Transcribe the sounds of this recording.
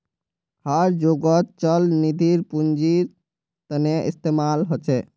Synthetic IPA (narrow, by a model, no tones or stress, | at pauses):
haɾd͡ʒoɡət̪t͡ʃəlnid̪ʱiɾpund͡ʒiɾ | t̪əneʔḭst̪emalɦot͡ʃʰɛ